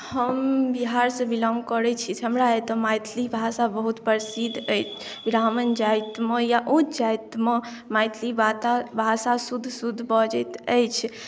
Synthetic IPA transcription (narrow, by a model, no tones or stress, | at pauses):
həmbiɦaɾsə̃bilɔ̃ŋɡkəɾɛt͡ʃʰit̪ɦəmɾaet̪ɔmajt̪ʰlibʱasabəɦut̪pəɾsid̪ʱəjt͡ʃʰ | ɡɾamənd͡ʒajt̪məjaʔũt͡ʃd͡ʒajt̪mə | majt̪ʰlibat̪abʱasasud̪ʱːsud̪ʱːbɔd͡ʒət̪əjt͡ʃʰ